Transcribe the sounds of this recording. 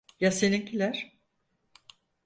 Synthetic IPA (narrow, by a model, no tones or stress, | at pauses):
jasenincʰilʲæɾ̥